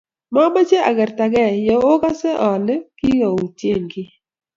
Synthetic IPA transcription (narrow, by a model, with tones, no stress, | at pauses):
ma˦ma˦t͡ʃe˦a̰˨ɡɛ˨ɾta˨ɡɛ˦˨jɔ˨o˦ka˦sɛ˦ʔɔ˨lki˦ŋo˨u˨tje˦˨ŋɡɪ˦